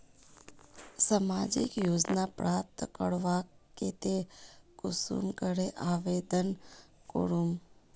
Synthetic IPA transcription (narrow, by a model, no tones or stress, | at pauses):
səmad͡ʒḭkjoːd͡ʒnapɾap̚t̪kə̰ɽʋaket̪ekʊsṵmkəɾeʔaʋed̪ənko̰ɾum